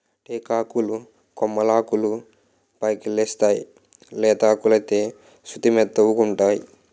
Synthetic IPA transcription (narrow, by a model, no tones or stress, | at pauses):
ʈeːkaːkulu | kɔmːɐlaːkulu | pɐjkilːest̪aːjḭ | lɛːt̪aːkulɐjt̪e̞ː | ʃut̪imɛt̪ːɐwukuɳʈaːji